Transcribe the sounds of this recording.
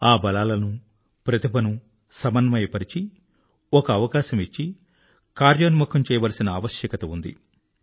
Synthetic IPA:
aːbɐlaːlɐnu | pɾɐt̪ibɐnu | sɐmɐnːɐmɐjpɐɾit͡ʃi | ɔkɐːʋɐkaːʃɐmit͡ʃːi | kaːɾjɐnmukʰɐmt͡ʃɛːjɐʋɐlɐsinɐːʋɐʃjɐkɐt̪ɐund̪ḭ

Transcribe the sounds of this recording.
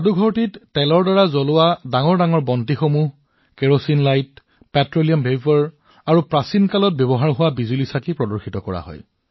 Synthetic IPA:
aduɡʱɔɹtitːɛlɔɹdaɹazɔlʊwadaŋɔɹdaŋɔɹbɔntixomuɦ | kɛɹosinlajt | pɛtɹolijambʱebɔɹ | aɹupɹasinkalɔt̚bjɔbɔɦaɹɦʊwabizulisakipɹɔdɔɹxʰitɔkɔɹa̰ɦɔ̰j

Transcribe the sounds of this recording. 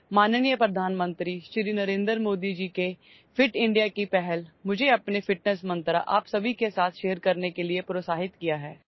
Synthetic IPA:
maːnnijəpɾɐd̪ʱaːnmə̃nt̪ɾiʃɾinɐɾẽːnd̪ɾmoːd̪id͡ʒiːke | fʰɪʈɪ̃ɳɖijakipɛɦɛlmʊd͡ʒʱeɐpnefʰɪʈnəsmɐ̃nt̪ɾa̰ʔaːpsɐbʱikesaːt̪ʰʃeːɾkɐɾnekeliepɾoːsaːɦɪt̪kijaɦɛː

